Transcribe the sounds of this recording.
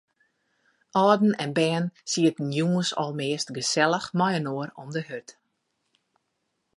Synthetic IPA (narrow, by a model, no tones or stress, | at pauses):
ʔɔːdn̩ɛnbɛːnsiətən̩juəsɔ̰lˠmɪːəstɡəsɛlˠəxmɔjənoəɾɔmdəhøt